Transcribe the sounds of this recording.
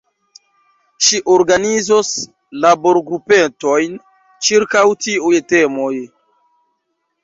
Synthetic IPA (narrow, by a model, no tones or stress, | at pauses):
ʃiʔoɾɡanizos | labo̞ɾɡɾupetojn | t͡ʃiɾkawtiujte̞moj